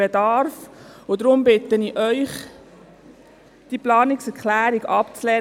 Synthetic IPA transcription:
ed̪ɑɾfʊd̪ɾʊmbɪt̪əniʔœʏχ | d̥iplɑːnɪksɛɾkχlæːɾiɡɑpt͡slɛː

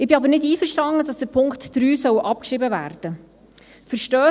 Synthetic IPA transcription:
ɪbɪɑbəɾnɪdiːfərʃtɑndədɑsd̥əɾpʰʊŋktːɾyːsœwʔɑp̚kʃrɪbəvæ̰ːɾd̥ə | fəɾʃtœː

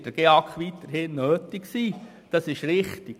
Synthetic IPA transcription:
d̥əɾɡ̥eɑkχʋitːəɾhɪnːøːtɪksiː | d̥ɑsɪʃɾɪχtiɡ

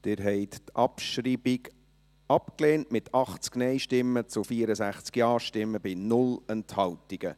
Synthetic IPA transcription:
d̪̥ɪɾɦɛɪt̪tʰʔɑpʃriːbɪɡ | ɑpkleːntmɪt̪ʰɑχt͡sknɛɪʃtɪmːət͡sʊfiːəɾəsæχt͡skjɑːʃtɪmːəbɪnʊlɛnthɑltiɡ̥ə

